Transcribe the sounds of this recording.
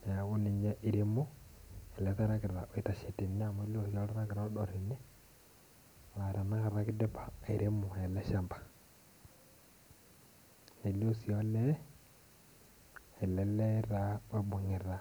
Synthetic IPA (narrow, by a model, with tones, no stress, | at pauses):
ɣu˦ni˨ɲɛ˦ʔi˨ɾe˦mo˦ɛ˨lɛ˦ka˦ɾa˦kɪ˨ɾa˨ʔo˨e˨ta˨ʃe˨ti˨nɪ˦a˦˨mɔ˦e˦li˦o˨si˨ɔ˦la˦ɾa˦kɪ˨ɾa˦ɗɔ˨ɾi˨nɪ˦ | wa˨ɾa˨na˦ka˨ɾa˦kɪ˦dɛ˦pa˨e˨ɾe˦mo˨ɛ˨lɛ˦ʃa˨mbḁ˨ | e˨lo˦si˨ɔ˦lɛ˦ | ɛ˨lɛ˦lɛ˦ɾa˦ɛ˦bo˨ŋɪ˨ɾa˨